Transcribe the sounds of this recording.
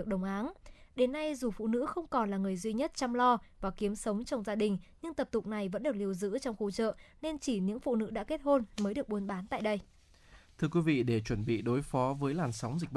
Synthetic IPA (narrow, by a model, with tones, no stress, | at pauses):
ək̚ɗə˨˩wŋ͡mʔaː˨˦nɗe˨˦nːa˧jzu˨˩fṵ˧˨nɨ̰˧˥xə˧wŋ͡mkɔ˨˩nlaː˨˩ŋɨ˨˩əjzwi˧ɲə˦˥t̚t͡ɕa˧mlɔ˧vaː˨˩ki˨˦əmsə˨˦wŋ͡mt͡ɕɔ˧wŋ͡mzaː˧ɗï˨˩ŋ̟ɲɨ˧ŋt̪ə˨˩p̚t̪ʊ˨˩k͡p̚na˨˩jvə̰˧˥nɗɨ˨˩ək̚li˧əwzɨ̰˧˥t͡ɕɔ˧wŋ͡mxu˧t͡ɕə̰ː˧˨ne˧nt͡ɕi˧˩ɲɨ̰˧˥ŋfṵ˧˨nɨ̰˧˥ɗa̰ː˧˥ke˦˥t̚ho˧nməː˨˦jɗɨ˨˩ək̚ɓu˨˦ənɓaː˨˦nt̪a̰ː˧˨jɗə˧j | t̪ʰɨ˧əkwi˨˦vḭ˧˨ɗe˧˩t͡ɕwə˧˩nɓḭ˧˨ɗo˨˦jfɔ˨˦vəː˨˦jlaː˨˩nsa˨˦wŋ͡mzi˨˩k̚ɓ